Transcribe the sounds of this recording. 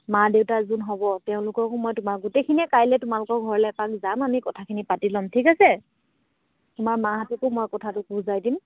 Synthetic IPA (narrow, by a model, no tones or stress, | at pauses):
madeʊtazunɦɔbɔteʊ̃lʊkɔkʊmɔjtʊmaɹɡutejkʰiniɛkajlɛtʊmalʊkɔɹɡʱɔɹɔlɛpak̚zamamikɔtʰakʰinipatilɔmtʰikasɛ | tʊmaɹmaɦatukʊmɔjkɔtʰatʊkuzajdim